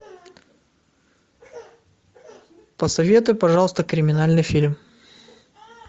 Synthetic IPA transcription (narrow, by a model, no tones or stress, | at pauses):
pəsɐvʲe̞t̪ʊjʊpɐʐɑlˠəst̪əkɾʲɪmʲɪnalʲnɨjfʲilʲm